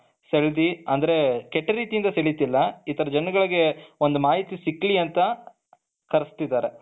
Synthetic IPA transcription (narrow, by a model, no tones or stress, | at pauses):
seɭd̪iɐnd̪ɐɾe̞kɛʈːɐɾiːt̪ijind̪ɐseɭit̪ːilːɐiːt̪ɐɾɐd͡ʒɐnɐɡɐɭiɡe̞o̞nd̪umaːɦit̪isikːliɐnt̪ɐ | kɐɾist̪id̪ːaːɾe